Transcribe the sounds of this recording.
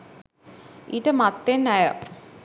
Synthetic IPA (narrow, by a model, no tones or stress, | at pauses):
iʈəmat̪ːenæjə